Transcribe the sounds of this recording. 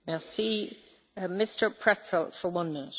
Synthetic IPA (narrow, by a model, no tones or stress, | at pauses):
melˠsiː | mɪstə˞pʰɹ̥ɛtʰəlˠfəwʌ̃nmɪ̃nɪʔ